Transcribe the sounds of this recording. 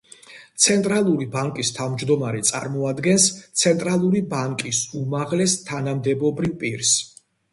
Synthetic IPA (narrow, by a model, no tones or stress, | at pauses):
t̪sʰɛnt̪ʼɾalˠuɾibaŋkʼist̪ʰavmd͡ʒd̪ɔmaɾɛt̪sʼa̰ɾmɔad̪ɡɛnst̪sʰɛnt̪ʼɾalˠuɾibaŋkʼisumaʁlɛst̪ʰanamd̪ɛbɔbɾivpʼiɾs